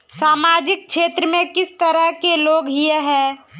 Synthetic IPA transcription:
saːmaːd͡ʒɪk̚ʃʰeːt̪ɾəmẽkɪst̪əɾəɦkeloːɡɦieɦɛ̃ː

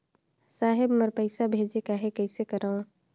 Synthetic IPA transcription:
saːɦɪbməɾpəɪsabʱeːd͡ʒekaɦekɛɪsekəɾaːũ

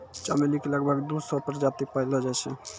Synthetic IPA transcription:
t͡ʃamelikeləɡbʱəɡd̪usɔpəɾd͡ʒat̪ipailɔd͡ʒajt͡ʃʰɛ

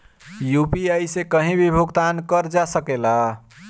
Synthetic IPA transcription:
jupiajsekəɦĩbʱibʱuɡt̪ankəɾd͡ʒasəkela

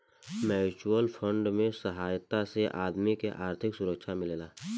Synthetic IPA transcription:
mɛːt͡ʃuwəlfʰə̃ɳɖmẽsəɦaːjt̪aseʔaːd̪mikeʔaːɾt̪ʰɪksʊɾəkʃamɪleːlaː

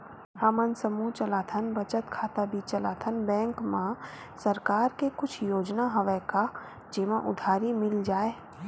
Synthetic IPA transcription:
hɐmənsəmut͡ʃəlaːt̪ʰənbɐt͡ʃət̪kʰaːt̪abiːt͡ʃɐla̰ːt̪ʰənbɛ̃ːŋkmã | sɐɾkaːɾkekʊt͡ʃʰjoːd͡ʒnaɦɐʋəka | d͡ʒeːmãʔʊ̰d̪ʱaːɾimɪld͡ʒaːeː

